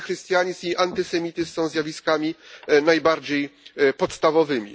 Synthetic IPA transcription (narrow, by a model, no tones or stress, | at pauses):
xɾɨst̪ʲjaɲisiʔant̪ɘsɛmʲit̪ɘsɔ̃w̃zʲjavʲiskamʲinajbaɾd͡ʑejpɔt̪st̪avɔvɘmʲḭ